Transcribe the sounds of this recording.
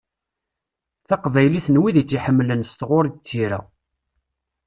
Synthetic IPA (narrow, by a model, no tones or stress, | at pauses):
θɑqvæjliθnwiðit͡sːiħəmːlənst̪ʁʊɾit͡sːiɾæ̰